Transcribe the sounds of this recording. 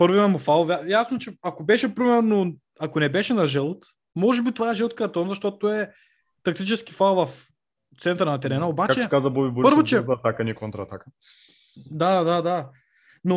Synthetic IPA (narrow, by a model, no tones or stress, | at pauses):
pɤɾvimɛmʊfalˠjajasnot͡ʃɛakobɛʃɛpɾimɛɾno | akonɛbɛʃɛnɐʒɛlˠt̪ | mɔʒɛbit̪ovaɛʒɛlˠt̪̚kɐɾt̪ɔnzɐʃt̪ɔt̪t̪oɛ | t̪ɐk̚t̪it͡ʃɛsk̟i̥falˠvɐf | t̪sɛnt̪əɾnɐt̪ɛɾɛnəobat͡ʃkakt͡ʃɛkazɐbɔbibuɾpəɾvot͡ʃɛzɐt̪akɐnikont̪ɾɐːt̪akə | d̪ad̪ad̪a | no